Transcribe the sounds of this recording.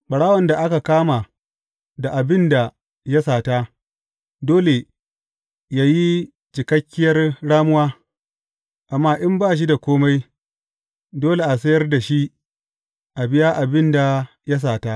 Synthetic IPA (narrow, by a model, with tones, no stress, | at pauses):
k͡pɐ˨ɽaː˦wɐ˨nda˨ʔa˦ka˨kaː˦ma˨ | da˨ʔa˨bɪ˦nda˨ | ja˦saː˨ta˦ | doː˦le˨ | jaː˦ji˦ | d͡ʒɪ˨kɐ˦kʲːɪ˦jɐ˦rɽaː˦mʊ˦waː˦ | ʔa˨mːaː˦ʔɪ˦mbaː˦˨ʃ̬i˦da˨kʷoː˦ma˦j | doː˦le˨ʔa˨s̬ɐ˦jɐ˦rda˨ʃi˦ | ʔa˨bɪ˦jaː˦ʔa˨bɪ˦nda˨ | ja˦s̬aː˨ta˦